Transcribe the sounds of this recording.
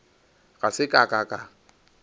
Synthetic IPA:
ɣasɪkʼakʼakʼa

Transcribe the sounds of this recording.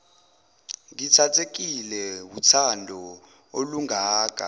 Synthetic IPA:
ŋitʰatʰek̬ilɛwut͡sʰandʱɔ | oluŋʱaːk̬ʼa̰

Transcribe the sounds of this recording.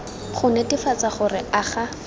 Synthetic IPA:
χʊnɛtifat͡saχʊrɪaχa

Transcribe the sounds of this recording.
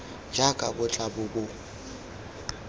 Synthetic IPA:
d͡ʒakʼa̰bʊt͡ɬʼabʊbʊ

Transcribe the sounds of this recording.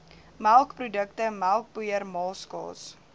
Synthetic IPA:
mælˠkprudəktəmælˠk̚pujərmɑːskɑ̰ːs

